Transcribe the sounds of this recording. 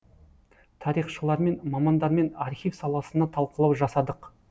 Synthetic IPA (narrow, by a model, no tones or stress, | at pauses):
t̪ʰɑɾijχʃəlˠɑɾme̞nmɑmɑnd̪ɑɾme̞nɑɾχʲifsɑlˠɑsənɑt̪ʰɑlˠqəlˠɑwʒɑsɑd̪əq